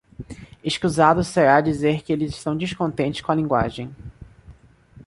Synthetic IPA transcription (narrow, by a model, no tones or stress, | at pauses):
eʃkuzad̪ʊseɾad͡ʒizeɾkɪelɪzɪʃt̪ɐ̃w̃d͡ʒiskõnt̪ẽnt͡ʃɪ̥skõɐlĩŋɡwa̰ʒẽj̃